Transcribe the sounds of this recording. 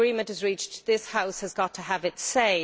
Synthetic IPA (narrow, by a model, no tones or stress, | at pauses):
ɹĩmə̃ntəzɹiˑt͡ʃðɪshaʊshəzɡɒtʰəəvɪtseɪ